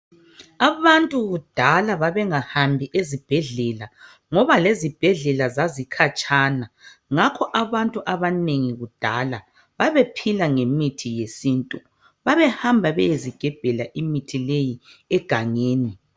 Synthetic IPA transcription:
aβantʼuɣud̥ʱalaβaβɛŋahambʱiʔezib̥ʱɛɮɛla | ŋɔβalezib̥ʱɛɮɛlazazikʰat͡ʃʼanaŋakʰɔʔaβantʼuʔaβaneŋiɣud̥ʱala | βaβepʰilaŋemitʰijesintʼu | βaβɛhambʱaβɛjeziɡ̥ʱɛb̥ʱɛlaʔimitʰilejiɛɡ̥ʱaŋeːni

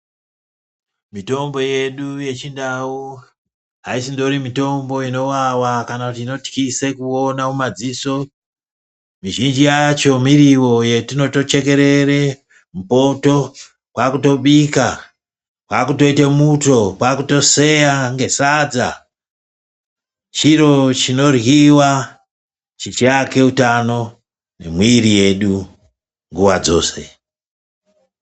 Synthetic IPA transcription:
mito̞mbo̞je̞ɗuje̞t͡ʃindau | ɦaisindo̞ɾimito̞mbo̞ino̞wawakanakutiːno̞ti̥kisekuonaumad͡ziso̞ | miʒind͡ʒijat͡ʃo̞miɾiwo̞jetino̞to̞t͡ʃe̞ke̞ɾe̞re | m̩po̞to̞ | kwakuto̞ɓika | kwakuto̞itemuto̞kwakuto̞se̞jaŋɡe̞sad͡za̰ | t͡ʃiɾo̞t͡ʃino̞rwiwa | t͡ʃit͡ʃiake̞utano̞ | ne̞̰mwiɾije̞ɗu | ŋɡuwad͡zo̞̰ːse̞̰

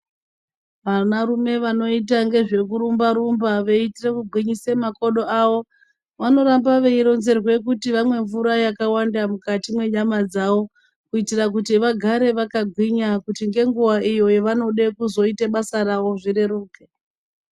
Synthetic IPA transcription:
ʋanaɾume̞ʋano̞it̬aŋɡe̞ʐe̞kuɾumbaɾumbaʋe̞itirekuɡʱwiɲisemako̞ɗo̞aʋo̞ | ʋano̞ɾambaʋe̞iɾo̞nze̞rwe̞k̬utiʋamwe̞ɱvuɾajakawandamukatimwe̞ɲamad͡zaʋo̞ | kuitirak̬utiʋaɡʱaɾe̞ʋakaɡʱwiɲakutiŋɡe̞ŋɡuwaʔijo̞jeʋano̞ɗe̞kuzo̞iteɓasaɾawo̞ʐiɾe̞ɾuːke

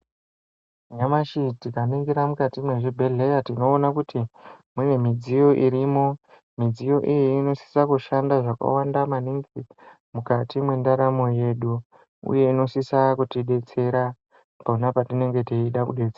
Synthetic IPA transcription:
ɲamaʃitikaniŋɡiɾamukatimwe̞ʐibʱeɮe̞jatino̞ːnakutʰimune̞mid͡zijo̞ʔiɾimo̞ | mid͡zijo̞ʔijiːno̞si̥sakuʃandaʐaka̰wandamaniŋɡi | mukatimwe̞ndaɾamo̞je̞ɗu | ṵje̞ino̞sisakutiɗe̞t͡se̞ɾa | paunapatine̞ŋɡe̞teiɗakuɗe̞t͡sea

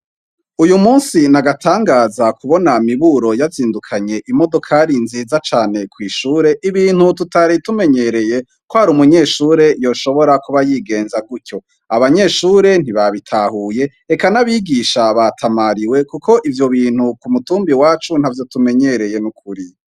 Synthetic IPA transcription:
ujumuːnsinaɡatʰaːŋɡaːzakuβo̞namiβuɾo̞jaziːndukʰaɲe̞ʔimo̞do̞kʰaɾinziːzat͡ʃaːne̞kwiːʃuːɾe̞ʔiβiːn̥hututaɾitume̞ɲe̞ɾe̞je̞ | kohaɾumuɲe̞ːʃuːɾe̞jo̞ːʃo̞βo̞ɾakuβajiːɡe̞ːnzaɡuco̞ | aβaɲe̞ʃuːɾe̞n̥iβaβitʰahuːje̞ | ekanaβiːɡiːʃaβatʰamaɾiwe̞kukʰo̞ʔivjo̞βiːn̥hukumutuːmbiwaːt͡ʃunhavjo̞tume̞ɲe̞ɾe̞je̞nukʰuɾi

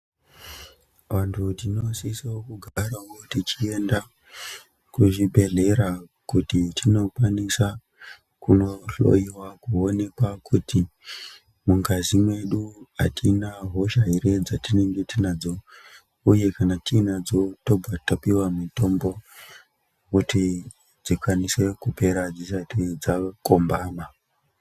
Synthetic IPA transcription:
ʋantʰutino̞sisaokuɡʱaɾaotit͡ʃienda | kuʐibʱe̞ɮe̞ɾa | kutitʰino̞kwanisa | kuno̞ɬo̞̰iwakuo̞ne̞kwakʰuti | muŋkazimwe̞ɗua̰tʰinaɦo̞ʃaiɾed͡zatineŋɡe̞tinad͡zo | uje̞kanatinad͡zoto̞bʱatapiwamito̞mbo̞ | kuti | d͡zikwanise̞kupe̞ɾad͡zisatid͡zakombaːma

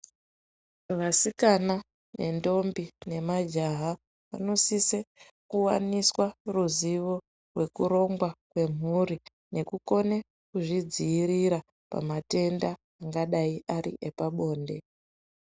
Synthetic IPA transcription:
ʋasikana | ne̞̰ndo̞mbine̞mad͡ʒaɦa | ʋa̰no̞sise | kuwa̰niswaruziʋo̞ | rwe̞kuɾo̞ŋɡwakwe̞m̤uri | ne̞kuko̞ne | kuʐid͡ziːriɾa | pa̰mate̞ndaː | ŋɡaɗaiʔaɾḭʔepaɓo̞ːnde̞

